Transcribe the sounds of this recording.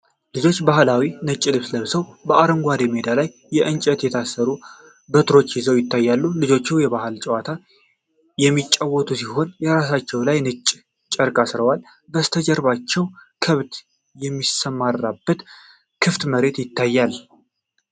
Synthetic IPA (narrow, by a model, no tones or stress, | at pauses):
lɨd͡ʒo̞t͡ʃːbahlawinɨt͡ʃʼːilɨβsləβsəwbəʔaɾəŋɡʷad̪eme̞d̪alajːɛʔɨnt͡ʃʼɛt̪jɛt̪ʰasːəɾu | bət̪ɾo̞t͡ʃːjɪzəwjɪt̪ːajːalːulɨd͡ʒo̞t͡ʃːuwjɛβahɨlt͡ʃʼɛwat̪ʰa | jɛmːit͡ʃʼːawːɔt̪ʰusiho̞njɛɾasat͡ʃːɛwlajnɨt͡ʃʼː | t͡ʃʼəɾkʼasɨɾəwal | bəst̪ʰəd͡ʒəɾbat͡ʃːɛwkʰəβd̪ | jɛmːisəmːaɾːabːət̪ | kʰɨft̪məɾe̞t̪jɪt̪ʰːajːal